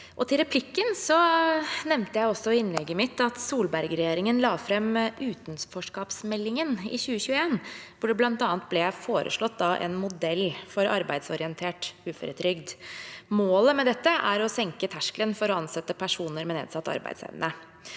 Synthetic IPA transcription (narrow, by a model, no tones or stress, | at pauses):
ʔɔt̪ʰɪlɾɛpʰlɪkːənsɔnɛʋnt̪əjæɪɔsːɔɪnːlɛɡːəmɪt̪ːɑt̪suːlbæɾɡəɾɛjeːɾɪŋənlɑːfɾɛmʔʉːt̪nsfɔʂkɑːpsmɛlːɪŋənɪ̰çʉːəçʉːəeːnʋʊɖɛblɑnt̪ɑːnət̪̚blɛjæfoːɾʔə̰ʂɭɔt̪ːd̪ɑʔɛ̰nmʊd̪ɛlːfɔɾɑ̰ɾbæɪd̪sɔɾɪənt̪ʰeːʈʉːfœ̰ɾət̪ʰɾʏɡd̪moːləmɛd̪ɛt̪ːəʔæɾɔsɛŋkət̪ʰæʂklənfɔɾɔɑnsɛt̪ːəpʰæʂuːnəɾmɛnḛːd̪sɑt̪ːɑ̰ɾbæ̰ɪsæ̰ɪʋə̰nə